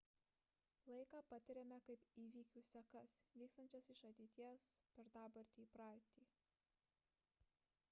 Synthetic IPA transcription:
lˠɐɪkɑːpɐt̪ʲɪɾʲɛmʲɛkɐɪpiːʋʲiːkʲuːsʲɛkɐsʋʲiːkst̪ɐnʲt͡ʃʲɛsɪʃɐt̪ʲɛɪt̪ʲiɛspʲɛɾd̪ɑːbɐɾʲt̪ʲiːpɾɑːɾt̪ʲiː

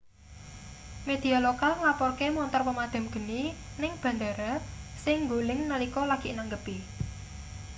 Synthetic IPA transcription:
med̪̥i̤alokalŋapɔrkemɔnt̪ɔrpəmad̪̥a̤mɡ̥ə̤ninɪŋb̥a̤nd̪aɾasɪŋɡolɪŋnəlikɔlaɡ̥i̤ʔnaŋɡəpi

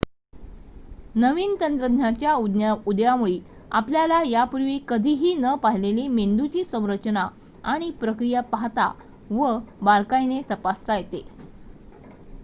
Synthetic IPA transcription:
nəʋiːnt̪ənt̪ɾəd̪ʱnjat͡ɕjaud̪aud̪jamuɭi | apljalajapuɾʋiːkəd̪ʱiːɦiːnəpaɦileliːmend̪ut͡ɕiːsə̃w̃ɾət͡ɕna | aɽ̃ipɾəkɾijapaɦt̪a̰ | ʋəbaɾkajnet̪əpast̪ajet̪e

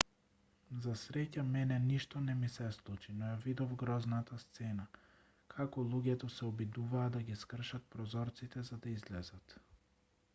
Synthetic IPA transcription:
zasɾɛcamɛnɛniʃt̪ɔnɛmisɛslˠut͡ʃinɔjavid̪ɔvɡɾɔznat̪ast̪sɛna | kʰakɔlˠuɟʲɛt̪ɔsɛɔbid̪uvaːd̪aɡiskr̩ʃat̪̚pɾɔzɔɾt̪sit̪ɛzad̪aizlɛzat̪

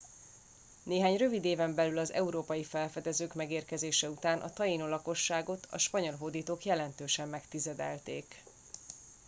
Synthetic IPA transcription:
neːɦaːɲrø̞vid̪eːvɛmbɛlylɒzɛ̰uɾoːpɒjifɛlfɛd̪ɛzøːkmɛɡeːrkɛzeːʃɛut̪aːnʔɒ̰t̪ɒjinolɒko̞ʃːaːɡo̞t̪ʰɒ̰ʃpɒɲo̞lɦod̪iːt̪oːkjɛlɛnt̪øːʃɛmːɛkt̪izɛd̪ɛlt̪ḛːk

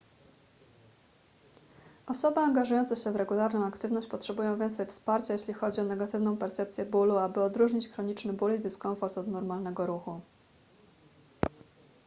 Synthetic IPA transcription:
ɔsɔbɘaŋɡaʐujɔnt̪sɛɕɛvɾɛɡulaɾnɔ̃w̃akt̪ɘvnɔɕt͡ɕpɔtʂɛbujɔ̃w̃vʲjɛnt̪sɛjfspaɾt͡ɕajeɕlʲixɔd͡ʑiɔnɛɡat̪ɘvn̪ɔ̃w̃pɛɾt̪sɛp̚tsʲjɛbuluabɘɔd̪ɾuʐɲit͡ɕxɾɔɲit͡ʂnɘbulid̪ɘskɔɱfɔɾt̪ɔd̪nɔɾmalnɛɡɔɾuxu

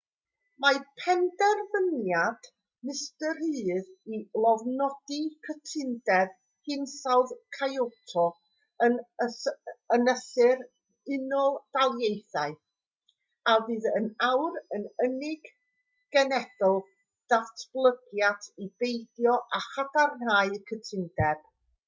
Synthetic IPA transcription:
mapʰɛndɛrvənjad̥ | mɪstəɾɨːðilˠɔvnɔd̥ikʰətʰɪndɛð | hɪnsawðkʰajotʰɔ | ənəənəsɪɾ | ɪnɔlˠd̥alˠjejθaɨ | avɨːðənawɾənənɪɡ̥ː | ɛnɛd̥ɔlˠ | d̥atʰb̥lˠəɡjadʰibejdjɔʔaχadarnaɨkʰətʰɪndɛb̥

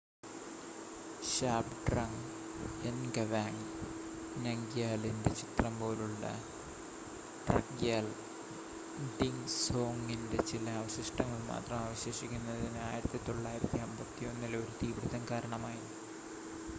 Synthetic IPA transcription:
ɕaːpɖrɐŋɡ | enɡɐʋaːŋ | nɐŋɡjaːlinde̞t͡ɕit̪rɐmpo̞ːluɭːɐ̰ | ʈrɐ̰kjaːl | ɖiŋso̞ːŋinde̞t͡ɕilɐaːʋɐɕɐʂʈɐŋːɐɭma̰ːt̪rɐmaːʋɐɕeːʂikʲːunːɐðinaːjiɾɐt̪ːit̪o̞ɭːaːjiɾɐt̪ːiɐmbɐt̪ːijo̞nːilɐʋiɾut̪iːʋiɽuðɐmkaːɾɐɳɐmaːji

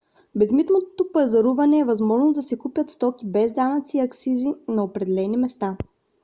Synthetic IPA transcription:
bɛzmit̪not̪ot̪opɐzɐɾuvɐnɛːvɐzmɔʒnod̪ɐsɛkupʲjət̪st̪ɔkibɛzd̪anɐt̪siːɐksizinɐopɾɛd̪ɛlɛnimɛst̪a

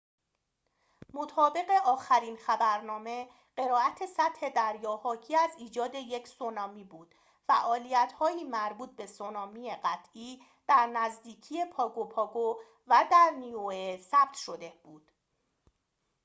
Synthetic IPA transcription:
mo̞t̪ʰɒːbe̞ɣe̞ʔɒːxæɾiːnxæbæɾnɒːme̞ | ɢ̥e̞ɾɒːæt̪ʰe̞sæt̪he̞d̪æɾjɒːhɒːcʰiːæziːd͡ʒɒːd̪e̞je̞cʰsonɒːmiːbuːd̪̥ | fæʔɒːlijæt̪hɒːiːmæɾbuːt̪̚be̞sonɒːmieɢæt̪ʰʔiː | d̪̥æɾnæzd̪iːcʰije̞pʰɒːɡopʰɒːɡo | væd̪æɾnioesæb̥̚t̪ʰʃo̞d̪e̞b̥uːd̪̥

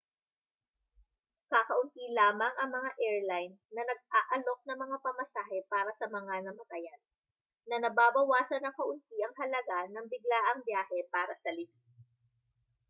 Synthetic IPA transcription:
kakɐʔʊnt̪ilaːmɐŋʔɐŋmɐŋaʔɛɹlajnːɐnɐɡ̚aːʔɐlo̞k̚nɐŋmɐŋapɐmɐsaːhɛpaːɾɐsɐmɐŋanɐmɐt̪ɐjan | nɐnɐbaːbɐwaːsɐnɐŋkɐʔʊnt̪̚iʔɐŋɦɐlɐɡanɐŋbɪɡlaʔɐŋbjaːhɛpaːɾɐsɐlɪki

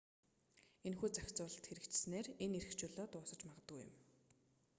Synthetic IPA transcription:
enxuːt͡saxʲt͡sʊːɮə̆t̪xeɾɘ̆kt͡ɕsneːreneɾɘ̆xt͡ɕʊːɮɔːt̪ʊːsə̆t͡ɕmaʁə̆t̪ɡṵːjʊ̰̆m

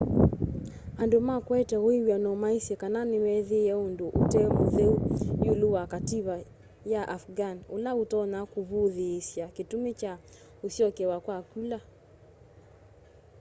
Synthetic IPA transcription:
andomakwɛtɛɣoiwjanɔmaisɛkananimɛðijɛunduʔutɛmuðɛujuluwakatiβa | jaʔafɡanulautɔnakuβuðiːsjakitumit͡ʃa | usiɔkɛwakwakwila

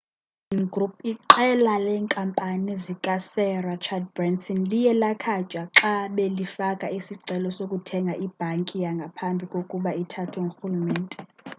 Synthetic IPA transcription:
inŋɡrupʰiǃɛlalɛːŋkʼampʼanizikʼasɛrat͡ʃʰad̚brɛnsʰɔnlijɛlakʰat͡ʃʼwaǁaɓɛlifakʼaisiǀɛlɔsokʼutʰɛŋɡʱaʔib̥ʱaŋkʼijaŋɡʱapʰambʱikʼokʼuɓaitʰatʰɛŋʱoxulumɛːntʼɛ

